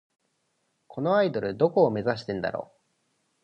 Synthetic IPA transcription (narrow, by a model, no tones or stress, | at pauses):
kʰo̞no̞aid̪o̞ɾɯ̟d̪o̞ko̞ːme̞zaɕ̬i̥t̪ẽ̞nd̪a̰ɾo̰ː